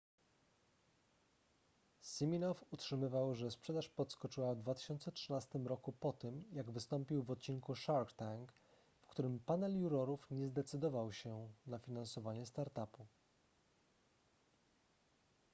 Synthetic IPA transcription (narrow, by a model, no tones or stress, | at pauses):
simʲinɔfutʂɘmɘvawʐɛspʂɛd̪aʂpɔt̪skɔt͡ʂɘwavd̪vat̪ɘ̥ɕɔnt̪sɛtʂɘnast̪ɘmɾɔkupɔt̪ɘmjaɡvɘst̪ɔmpʲiwvɔt̪̚t͡ɕiŋkuʂaɾkt̪aŋk | fkt̪uɾɘmpanɛljuɾɔɾufɲɛzd̪ɛt̪sɘd̪ɔvawɕɛnafʲinansɔvaɲɛst̪aɾt̪apu